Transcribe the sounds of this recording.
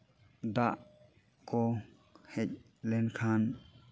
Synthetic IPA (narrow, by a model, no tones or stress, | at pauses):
d̪aʔ | kɔ | hɛc̚ | lɛnkʰan